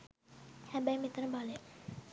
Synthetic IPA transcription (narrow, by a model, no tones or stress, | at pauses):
hæbəjmit̪əɾəbale